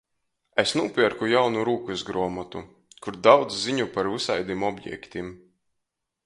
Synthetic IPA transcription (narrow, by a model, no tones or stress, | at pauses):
esnuːpʲiɛɾkujawnuɾuːkuzɡɾɔɔmat̪u | kuɾd̪awd̪zziɲupaɾvɨsajd̪imɔbʲjɛ̰kt̪ʲim